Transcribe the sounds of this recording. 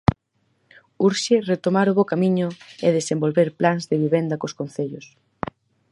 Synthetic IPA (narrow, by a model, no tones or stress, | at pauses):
uɾʃɪret̪omaɾʊβokamĩɲʊeðesembolβeɾplaŋzðeβiβend̪ɐkoskon̟θeʎʊs